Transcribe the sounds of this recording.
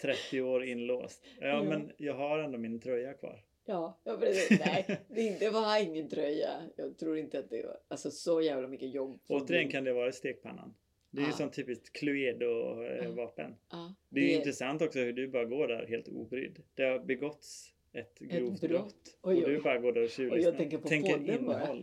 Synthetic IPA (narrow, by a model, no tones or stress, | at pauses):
t̪ʰɾɛt̪ːɪoːɾɪnːlo̰ːst̪ɑmɛnjɑːɡɦaɾɛnd̪ɔmɪnt̪ʰɾœjːakʰvɑ̰ːɾ | jɑːjɑːnd̪ɛd̪ɛvaɪŋːənt̪ʰɾœjːa̰jɑːɡ̚t̪ʰɾuːɾɪnt̪əat̪̚d̪ɛ̰alsɔsɔjæːvlamʏkːəjɔbːoːt̪əɾɪjɛnkʰand̪ɛvɑːɾaɪst̪eːɡ̚pʰa̰nːa̰n | d̪ɛæɾjsɔnt̪ʰyːpɪskt̪kʰlʊeːd̪ɔvɑːpə̰nːd̪ɛjɪnt̪ɾɛsant̪ɔksɔhʉɖɵbɑːɾaɡoːɖæ̰ɾheːlt̪ʰṵːbɾʏ̰d̪ːd̪̥æɾabɛɡɔt̪s | ɛt̪ɡɾuːvt̪ɾɾɔt̪ːd̪ɵbɑːɾaɡoːɖæɾɔɕʉ̟ːlːʰɛŋkːəp̪ʰɛŋkːəɾɪnːɦɔlː